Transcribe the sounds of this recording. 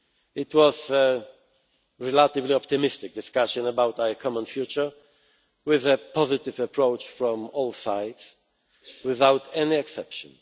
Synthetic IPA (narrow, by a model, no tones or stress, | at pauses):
ɪtwʌzə | ɹɛlatɪvliɔp̚t̪ɪmɪstɪk̚dɨskaʃɨ̃nəbawtaəkʰɑmə̃nfjʉt͡ʃə˞ | wɪðəpʰɑzɪtɪvəpʰɹoʊt͡ʃfɹɔ̃mɔlˠsaɪds | wɪðawtʰɛniɛksɛpʃə̰̃n